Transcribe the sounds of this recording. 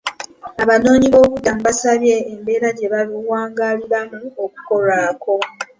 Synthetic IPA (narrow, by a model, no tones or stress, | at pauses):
aβano̞ːɲiβo̞ːβudamuβasaβje̞ːmbe̞ːɾaɟe̞βaliwaːŋɡaliβamuo̞ku̥ko̞laːko̞